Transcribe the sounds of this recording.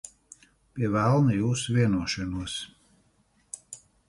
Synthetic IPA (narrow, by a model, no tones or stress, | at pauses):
pʲiɛvælˠnɨjuːsvʲiɛnuɔʃɛnuɔs